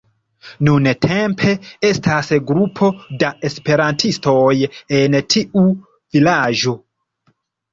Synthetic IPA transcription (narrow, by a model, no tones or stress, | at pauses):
nuntʰe̞mpʰe̞e̞stasɡɾupʰo̞dae̞spe̞ɾantʰisto̞je̞ntʰiʔu | vilad͡ʒo̞